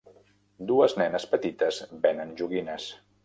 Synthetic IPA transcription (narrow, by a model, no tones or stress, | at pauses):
d̪uəznɛnəspət̪it̪əzbɛnənʒuɣinəs